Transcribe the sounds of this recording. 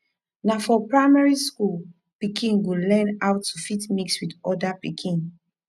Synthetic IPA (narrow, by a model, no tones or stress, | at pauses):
nafɔpɹaɪmaɹiskul | pikʰĩnɡulɛnaʊtʰːufitmikswidɔdapikʰĩn